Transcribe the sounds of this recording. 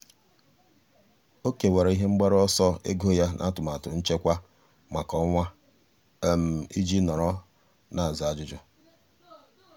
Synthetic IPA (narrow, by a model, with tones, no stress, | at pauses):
o˦ke˨we˨ɾe˨i˦ɦe˦ŋ͡m̩˦ɡ͡ba˦ɾɔ˦sɔ˦ḛ˦ɡo˦ja˦nʔa̰˦tʊ˨ma˨tʊ˨n̩˦t͡ʃe˦kʷa˦ | ma˨kɔ˦ŋʷa˦ | m̩˨i˦d͡ʒi˦nɔ˨ɾɔ˦ | na˨a˨za˨a˨d͡ʒʊ˦d͡ʒɔ˦